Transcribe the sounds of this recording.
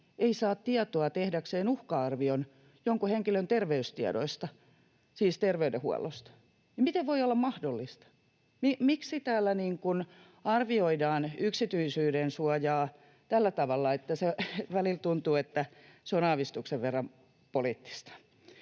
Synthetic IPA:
eisɑːt̪t̪iɑt̪oɑt̪ehdækseːnuhkɑɑrʋion | joŋkuheŋkilønt̪erʋeyst̪iɑ̰do̰ist̪ɑ | siːst̪erʋeydehuɑ̰lːo̰st̪ɑ̥ | nɑmit̪eʋʋoiolːɑmmɑhdolːist̪ɑ̥ | mimiksit̪æːlːæniːŋkun | ɑrʋioidɑːnyksit̪yisyːdensuɑjɑː | t̪ælːæt̪ɑʋɑlːɑet̪ːæseʋælilt̪unt̪uːet̪ːæseonɑːʋist̪ukseʋʋerːɑm | polit̪ːi̥st̪ɑ̥

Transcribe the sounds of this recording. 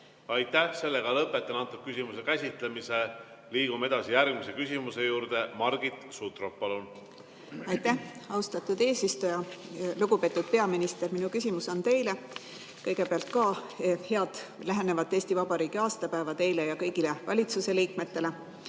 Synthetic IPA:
ɑjt̪ːˑæhse̞lːeɡ̥ɑlɤpːˑet̪ːˑenɑnt̪ːub̥̚kysimusekæsʲit̪ˑlemise | liːɡ̥ume̞d̪̥ɑsijæɾɡ̥mise̞kysʲimuse̞juːɾd̪̥e̞mɑɾɡ̥it̪ˑsut̪roppːɑlun | ɑjt̪ːæhɑwst̪ɑt̪ːud̪̥e̞ːsist̪ujɑluɡ̥upe̞ːt̪ːˑud̪̥̚pe̞ɑminist̪e̞ɾminukysʲimuso̞nt̪e̞jle | kɤjɡ̥e̞peɑlt̪̚kɑːhe̞ɑd̪̥læɦe̞nevɑt̪ːˑe̞ːsʲt̪ivɑb̥ɑɾiːɡiɑːst̪ɑpæevɑt̪e̞jle̞jɑkɤjɡ̥ile̞vɑ̰lʲit̪suse̞liːkme̞t̪ːe̞le̞

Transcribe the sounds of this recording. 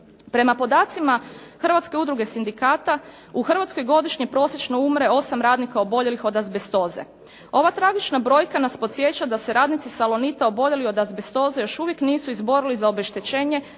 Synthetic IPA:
pɾe̞mapo̞d̪aːt̪simaxərʋat̪ske̞ud̪ɾuɡe̞sind̪ikaːt̪a | uxr̩ʋat̪sko̞jɡo̞d̪iʃɲipɾo̞ːsjet͡ʃno̞umɾe̞o̞samɾaːd̪nikao̞bo̞ʎe̞lixo̞d̪azbest̪o̞ːzḛ | o̞ʋat̪ɾaɡit͡ʃnabɾo̞ːjkanaspot̪sje̞t͡ɕad̪ase̞ɾaːd̪nit̪sisalo̞nit̪ao̞bo̞ʎe̞lio̞d̪azbest̪o̞ːzejo̞ʃuʋje̞kniːsuizbo̞ɾilizaobeʃt̪et͡ɕe̞ːɲe̞

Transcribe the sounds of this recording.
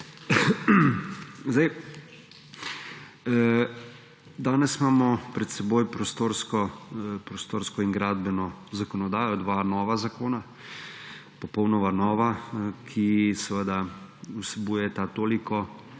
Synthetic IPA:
zd̪aj | d̪aːnɛsimaːmɔpɾɛt̪sɛboːjpɾɔst̪oːɾskɔpɾɔst̪oːɾskɔiŋɡɾaːd̪̚bɛnɔzakɔnɔd̪aːjɔd̪ʋanɔːʋazakoːna | pɔpɔwnɔʋanɔːʋakʰisɛʋəd̪ausɛbuːjɛt̪at̪oːlikʰɔ

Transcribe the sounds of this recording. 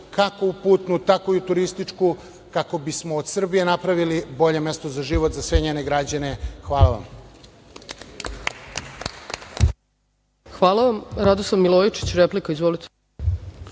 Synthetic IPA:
kako̞upuːt̪nut̪akoiut̪uɾist̪it͡ʂku | kako̞bismoːd̪sr̩bije̞napɾaʋilibo̞ʎe̞me̞st̪o̞zaʒiʋot̪zasʋeɲeːneɡɾad͡ʑane̞xʋaːlˠaʋa̰m | xʋaːlˠaʋamɾad̪oslavmilˠojit͡ʃi̥t͡ɕɾeplikaizʋolit̪e̥

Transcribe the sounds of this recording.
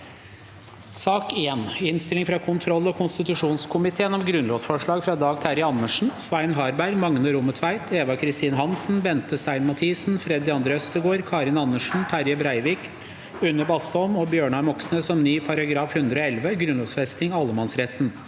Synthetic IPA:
sɑːkeːnɪnst̪ɪlɪŋfɾɑkʰʊnt̪ʰɾɔlːɔkʰʊnst̪ɪt̪ʉʂuːnskʰʊmɪt̪ʰeːnɔmɡɾʉnloːsfɔʂɭɑːɡfɾɑd̪ɑːɡt̪ʰæɾjəɑnːəʂɳ̩sʋæɪnɦɑːɾbæɾmɑŋnəɾʊmət̪ʰʋæɪt̪ʰeːʋɑkʰɾɪst̪iːnəhɑnsn̩bɛnt̪əst̪æɪnmɑt̪ʰiːsn̩fɾɛd̪ːɪɑnd̪ɾəœst̪əɡoːɾkʰɑːɾɪnɑnːəʂn̩t̪ʰæɾjəbɾæɪʋɪːk | ʉnːəbɑst̪ɔmɔbjøːɳɑɾmɔksnəsɔmnyːpʰɑɾɑɡɾɑːfhʉnd̪ɾəoːɛlʋəɡɾʉnloːsfɛst̪ɪŋɑlːəmɑnsɾɛt̪n

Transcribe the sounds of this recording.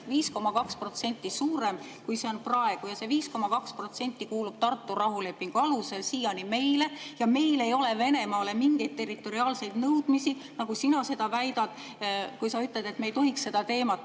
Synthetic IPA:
viːsko̞mɑkɑkspro̞t̪se̞nʲt̪ːˑisuːɾe̞mkujse̞o̞nprɑe̞ɡ̥ujɑse̞viːsko̞mɑkɑkspro̞t̪se̞nʲt̪ːikuːlub̥̚t̪ɑrt̪ːurɑɦule̞pːiŋɡ̥uɑluse̞lsijɑnime̞jle̞jɑme̞jle̞jo̞le̞ve̞ne̞mɑːle̞miŋɡ̥e̞jd̪̚t̪ːe̞rit̪ːˑo̞ɾiɑːlse̞jd̪̥nɤwd̪̥misinɑɡ̥usinɑse̞d̪̥ɑvæjd̪̥ɑd̪̥ | kujsɑyt̪ˑled̪̥e̞t̪mejt̪o̞ɦiksːe̞d̪ɑt̪e̞ːmɑt̪ːˑ

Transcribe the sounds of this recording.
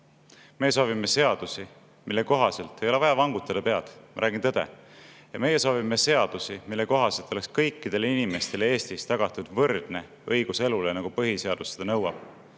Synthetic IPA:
mejːes̬o̞ːvimːese̞ɑd̪̥usi | milːe̞ko̞ɦɑse̞lt̪ːˑe̞jo̞le̞vɑjɑvɑŋɡut̪ːˑɑd̪ɑpe̞ɑt̪mɑɾʔæːɡ̥int̪ɤd̪̥e̞̰jɑme̞jeso̞ːvimːese̞ɑd̪̥usimilːe̞ko̞ɦɑse̞lt̪ːˑo̞le̞kskɤjkˑːid̪̥e̞linime̞st̪e̞lee̞ːst̪ist̪ɑɡ̥ɑt̪ːˑud̪̥vɤrd̪̥ne̞ | ɤjɡ̥use̞lulenɑɡ̥upɤɦise̞ɑd̪used̥̪ɑnɤwɑb̥̚

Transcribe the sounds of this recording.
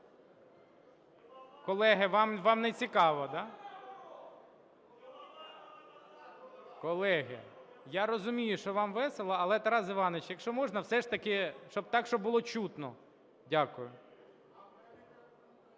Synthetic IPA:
kɔlˠɛɦɪʋɑmʋɑmnet͡sʲikɑʋɐd̪ɑ | kɔlˠɛɦɪ̰ | jaɾɔzʊmʲijʊʃɔʋɑmʋɛselˠɐɐlˠɛt̪ɐɾɑzɪʋɑnet͡ʃjɐkʃɔmɔʒnɐwsɛʃt̪ɐkɪʃt͡ʃɔbt̪ɑkʃt͡ʃɔbʊlˠɔt͡ʃut̪nɔ | dʲakʊjʊ

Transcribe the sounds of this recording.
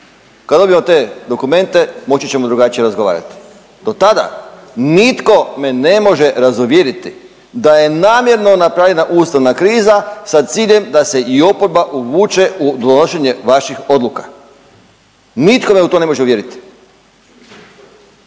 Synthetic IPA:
kad̪obiemot̪e̞d̪o̞kume̞nt̪e̞mo̞t͡ɕit͡ɕe̞mo̞d̪ɾuɡat͡ʃije̞ɾazɡoa̰ːɾa̰t̪i̥ | d̪̥o̞t̪ad̪a̰nit̪ko̞me̞ne̞mo̞ʒe̞ɾazuʋje̞ɾit̪i | d̪aje̞naːmje̞ɾno̞napɾaʋlʎʲe̞naʔuːst̪aʋnakɾiːzasat̪siːʎe̞md̪ase̞ʔio̞poɾbaʔuʋuːt͡ʃe̞ud̪onoʃeɲe̞ʋaʃixo̞d̪lˠukḁ | nit̪ko̞meut̪o̞ne̞mo̞ʒeuʋje̞ɾit̪i̥

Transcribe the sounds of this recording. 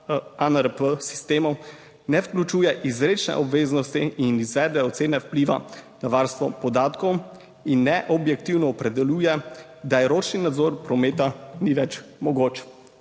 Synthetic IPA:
anəɾpəsi̥st̪eːmɔw | nɛwklʲut͡ʃujɛʔizɾet͡ʃnɛ̰ʔɔbʋeːznɔst̪iinizʋɛːd̪ɛɔt̪seːnɛwpliʋa̰naʋaɾst̪ʋɔpɔd̪aːt̪kɔw | inːɛʔɔbjɛk̚t̪iwnɔːpɾɛd̪ɛluːjɛ | d̪ajɛɾoːt͡ʃninad̪zɔɾpɾɔmet̪aniʋɛt͡ʃmɔɡot͡ʃ

